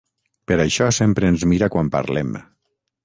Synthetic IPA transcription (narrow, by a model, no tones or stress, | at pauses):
pəɾaʃɔsempɾəːnzmiɾakwampa̰ɾlɛm